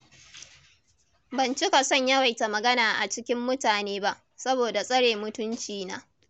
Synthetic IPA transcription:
bɐ˨nt͡ʃɪ˦ka˨sɔ˦˨ɲjɐ˦wa˨jta˨mɐ˨ɡɐ˦naː˨ʔa˨t͡ʃɪ˦kʲɪ˦mːʊ˦taː˨neː˦ba˦ʔ | sɐ˦boː˨da˨sʼɐ˦ɽeː˨mʊ˦tʊ˦nt͡ʃiː˨naː˦

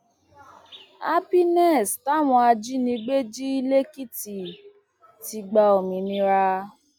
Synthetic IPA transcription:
a˦pi˦nɛ˦˨sta˦˨w̃ɔ̃˧a˧d͡ʒi˦nĩ˧ɡ͡be˦d͡ʒi˦i˦le˦ki˦˨ti˨ | ti˧ɡ͡ba˧o˨mĩ˨˦nĩ˧ɾa˧

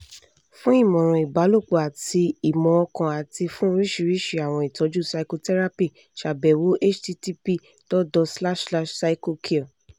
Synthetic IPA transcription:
fũ˦i˦˨mɔ̃˨ɾ̃ɔ̃˨i˨ba˨˦lo˦˨k͡po˨a˨ti˧i˨mɔ̃˨˧ɔ˧kã˧a˨ti˧fũ˦ɾi˦ʃi˧˨ɾi˦ʃi˧˨a˨w̃ɔ̃˧i˨tɔ˨˦d͡ʒu˦˨sa˧i˧ko˧tɛ˦ɾa˦pi˦˨ | ʃa˨bɛ˨wo˨˦ʔe˦t͡ʃti˧˦ti˦pi˦˨ | tɔ˦dɔ˧sla˦˨ʃla˦ʃsa˧i˦ko˧kʰi˦˨

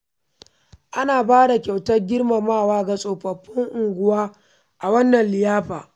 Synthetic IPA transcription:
ʔa˦naː˨baː˦da˨kʲa˨wtɐ˦rɡʲɪ˦rma˨maː˦˨waː˦ɡa˨sʼoː˨ɸɐ˨ɸːɪ˦ŋʔʊ˨ŋɡʷʊ˦waː˦ | ʔa˨wɐ˦nːɐ˨nlɪ˨jaː˦ɸaː˨

